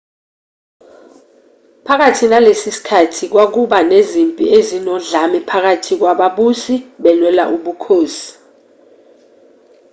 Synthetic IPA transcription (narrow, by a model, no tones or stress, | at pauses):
pʰak̬atʰinalesisi̥kʰatʰik̬wak̬uɓanezimpʼḭezinɔɮamipʰak̬atʰik̬waɓaɓusiɓɛlwɛla̰ʔuɓukʰoːsi̥